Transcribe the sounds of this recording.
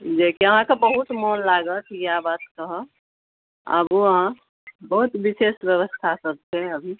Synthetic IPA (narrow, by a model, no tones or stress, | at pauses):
d͡ʒekiəɦãkabəɦut̪moːnlaːɡət̪ʰikjabaːt̪kəɦə | ə̰boəɦã | bəɦut̪ʋɪseːsʋjəʋəst̪ʰasəb̚t̪eɦɛ̃əbʱi